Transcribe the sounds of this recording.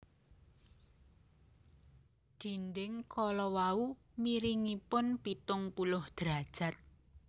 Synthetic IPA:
d̥i̤nɖɪŋkʰɔlɔwau | miɾiŋipʊnpit̪ʊŋpulʊhd̪̥ɾad̥ʒ̥a̤t̪̚

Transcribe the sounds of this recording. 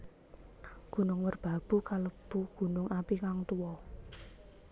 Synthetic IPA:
ɡ̥ṳnʊŋwərb̥a̤b̥ṳkaləb̥uɡ̥ṳnʊŋapikaŋt̪uwɔ

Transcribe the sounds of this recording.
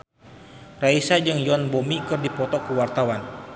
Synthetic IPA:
raisad͡ʒɨŋjɔnbomikɨrdipɔt̪ɔkəwart̪awan

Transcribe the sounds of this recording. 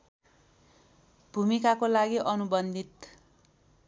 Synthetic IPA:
bʱumikakolaɡiʔʌnubʌnd̪it̪

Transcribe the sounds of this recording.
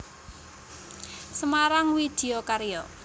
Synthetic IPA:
səmaɾaŋwid̪̥e̤okaɾijɔ

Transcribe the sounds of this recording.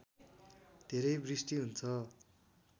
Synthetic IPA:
d̪̥ʱeɾʌjbrisʈiɦunt͡sʰʌ

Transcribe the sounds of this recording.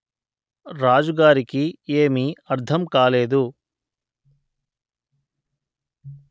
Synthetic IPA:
ɾaːd͡ʒuɡaːɾikieːmiɐɾd̪ʰɐmkaːleːd̪u

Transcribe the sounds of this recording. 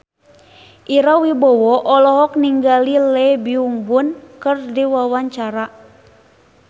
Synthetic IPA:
ʔiɾawibɔwɔʔɔlɔɦɔk̚niŋɡalilɛbiuŋbunkɨrdiwawaɲt͡ʃaɾa

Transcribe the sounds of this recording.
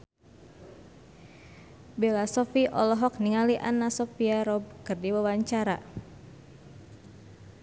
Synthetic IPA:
belasɔfiʔɔlɔɦɔk̚niŋaliʔanasɔfiaɾɔb̚kɨrdiwawaɲt͡ʃaɾa

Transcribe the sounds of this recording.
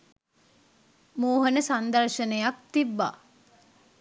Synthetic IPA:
muːɦənəsand̪ɐɾʃənəjak̚t̪ibːa̰ː

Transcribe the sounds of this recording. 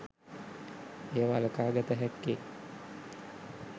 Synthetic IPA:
ejəʋaləkaːɡat̪əɦɛkːe

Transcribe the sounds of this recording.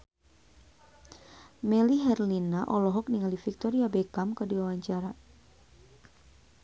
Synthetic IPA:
mɛliɦɛrlinaʔɔlɔɦɔk̚niŋalifik̚t̪ɔɾiabɛkamkədiwawaɲt͡ʃaɾa

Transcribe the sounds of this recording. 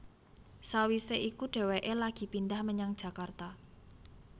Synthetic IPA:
sawiseʔikuɖ̥e̤weʔelaɡ̥i̤pindahməɲaŋd̥ʒ̥ä̤kart̪a

